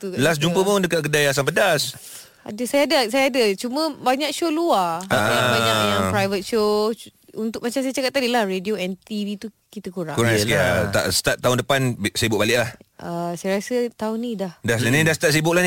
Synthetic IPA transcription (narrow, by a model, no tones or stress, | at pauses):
t̪ulas̬d͡ʒumpəpodəkaʔkədajas̬aŋpədas | a̰dəsajaːdasajaːdət͡ʃumə̃baɲak̚ʃoluaaaaɲajaŋpɾajvət̪̚ʃo | unt̪ʊk̚mat͡ʃamsajat͡ʃakap̚t̪ːadilahredioɛnt̪ivit̪u | kit̪əkuɾaŋkuɾaŋskat̪a̰ʔst̪at̪̚t̪ːaʊndəpansibʊʔ̚balɪʔlahʔasajaɾasət̪aunidahdasanidast̪at̪̚s̬ibʊʔlahni